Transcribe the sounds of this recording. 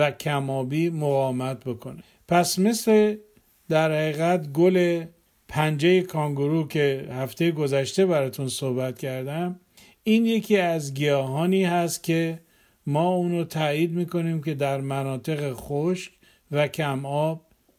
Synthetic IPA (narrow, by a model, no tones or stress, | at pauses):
ækʰæmɒːbiːmoɣɒːmæt̪̚bo̞kʰo̞ne | pʰæsme̞sle̞ | d̪æɾhæɣiːɣæt̪ɡole̞ | pʰænd͡ʒejekʰɒŋɡoɾukʰe̞hæft̪ʰe̞jeɡo̞zæʃt̪e̞bæɾɒːt̪ʰunsohbæt̪cʰæɾd̪æm | iːnje̞cʰiːæzɡijɒːɦɒːniːhæst̪̚cʲʰe̞ | mɒːuːnot̪ʰæjiːd̪miːko̞niːmke̞d̪æɾmænɒːt̪ʰe̞ɣeχoʃk | vækʰæmɒːb̥̚